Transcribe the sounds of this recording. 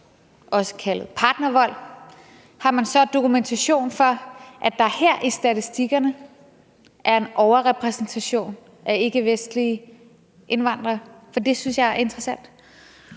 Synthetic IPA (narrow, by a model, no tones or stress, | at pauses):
ʔɒ̽sə̥kʰælð̩ˠpʰɑ̈ːd̥nɐʋɒ̽l̰ | hɑ̈mænsɒ̽d̥o̝kʰument͡sʰæɕo̝̰ːnfɒ̽ʔæ̥ɑ̈heɐ̰ʔisd̥æt͡sʰisd̥iɡ̥ɐnə | ʔæɐe̝nʔɒʊɐʁɛpʰʁɛsn̩t͡sʰæɕo̝̰ːn | ʔæe̝ɡ̥əʋesd̥li | ʔe̝nʋɑ̈n̰d̥ʁɐfɒ̽d̥e̝synsjɑ̈ɪæɐe̝nd̥ʁɐsæn̰d̥